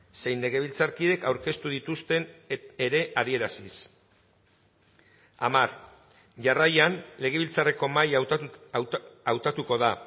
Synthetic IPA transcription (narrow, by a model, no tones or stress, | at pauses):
se̞jnːe̞ɣ̞e̞β̞ilt͡saɾkiðe̞kawɾke̞st̪uðit̪ust̪e̞neɾe̞ʔaðie̞ɾasis | amaɾ | ʝarajanle̞ɣ̞e̞β̞ilt͡sare̞ko̞maj | awt̪at̪uko̞ð̞a